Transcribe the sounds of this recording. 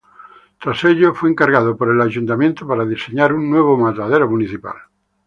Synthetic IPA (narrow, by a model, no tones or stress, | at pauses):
t̪ɾaseʎofweːŋkaɾɣað̞opoɾelaʒunt̪amjẽnt̪opaɾaðiseɲaɾunːweβ̞omat̪aðeɾomuniθipa̰l